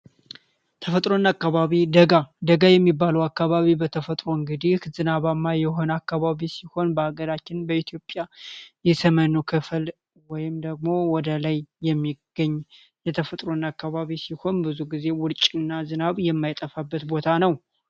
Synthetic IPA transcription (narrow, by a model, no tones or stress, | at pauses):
t̪ʰəfət̪ʼɾo̞nakːaβaβid̪əɡad̪əɡajɛmːibːaləwakːaβaβibət̪ʰəfət̪ʼɾoɨŋɡɨd̪ihzɨnaβamːajɛho̞nakːaβaβisiho̞nbəaɡəɾat͡ʃːɪnbəit̪jo̞pʼjajɛsəmənokʰɨfl | wɔjɪmd̪əɡ̚mo̞wɔd̪əlajːɛmːiɡ̥əɲː | jɛt̪ʰəfət̪ʼɾo̞nakːaβaβisiho̞nbɨzuɡize̞wʊɾt͡ʃʼɨnːazɨnaβjɛmːajt̪ʼəfabːət̪bo̞t̪ʰanəw